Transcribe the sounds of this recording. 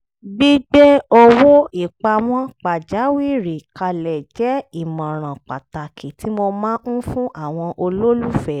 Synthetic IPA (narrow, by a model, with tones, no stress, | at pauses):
ɡ͡bi˦ɡ͡bɛ˦o˧wo˦i˦˨k͡pa˧w̃ɔ̃˦k͡pa˨d͡ʒa˨˦wi˦˨ɾi˨ka˧lɛ˨d͡ʒɛ˨˦i˦˨mɔ̃˨ɾ̃ã˨k͡pa˨ta˨kʰi˨ti˨˦mo˧mãː˦ũ˦fũ˦ʔa˦˨w̃ɔ̃˧ʔo˧lo˦lu˦fɛ˨